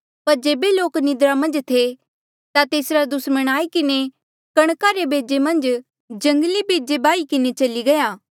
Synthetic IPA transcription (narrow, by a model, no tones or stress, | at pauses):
pɐɾd͡ʒeːbeloːknɪd̪ɾamɐ̃nd͡ʒt̪ʰe | t̪at̪eːsɾad̪ʊsməɽ̃aːikɪne | kɐɽ̃kaɾebʱeːd͡ʒemɐ̃nd͡ʒ | d͡ʒɐ̃ŋɡlibʱeːd͡ʒebaːikɪnet͡ʃɐliɡɐjaː